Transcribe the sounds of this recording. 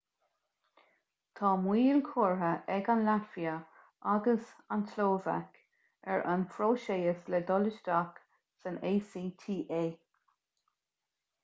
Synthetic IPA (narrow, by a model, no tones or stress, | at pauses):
t̪ʰɑːmwiːlkʰoːɹɦəʔɛɡanlafiə | aɡəsantloːva̰k | ɛɹʔa̰nfɾoːʃeːəslɛd̪ɔlɪʃd̪ak | səneːsiːt̪ʰiːʔeː